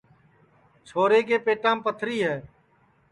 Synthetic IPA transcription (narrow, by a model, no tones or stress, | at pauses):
t͡ʃʰoːɾeːkeːpeːʈãːmpət̪ʰɾiːɦɛː